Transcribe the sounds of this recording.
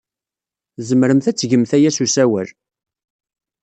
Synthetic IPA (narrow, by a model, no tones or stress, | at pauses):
zəmɾəmθæt͡sːʝəmθæjæsusæwəl